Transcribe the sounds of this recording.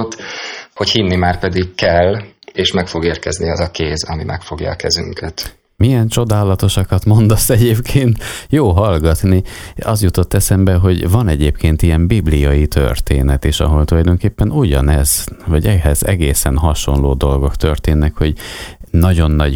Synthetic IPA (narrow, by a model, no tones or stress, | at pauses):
t̪ho̞chinːimaːrpɛd̪ikkɛlːeːʃmɛkfo̞ɡeːrkɛzniɒzɒkeːzɒmimɛ̰kfo̞ɡjɒ̰ːkɛzyŋkʰɛt̪ | mijɛnt͡ʃo̞d̪aːlɒt̪o̞ʃɒkɒt̪mo̞nd̪ost̪ɛɟeːpkʰeːnt̪joːɦɒlɡɒt̪niɒzjut̪o̞t̪ːɛsɛmbɛɦo̞ɟvɒnɛɟeːpkʰeːnt̪ijɛmbiblijɒjit̪ʰø̰rt̪ḛːnɛt̪eːʃɒ̰ɦo̞lt̪ulɒjd̪o̞ŋkeːpːɛnuɟɒ̰nɛzvɒɟɛɦɛzɛ̰ɡeːsɛnɦɒʃo̞̰nloːd̪o̞lɡo̞kt̪ørt̪eːnːɛkho̞ɟnɒɟo̞nːɒɟ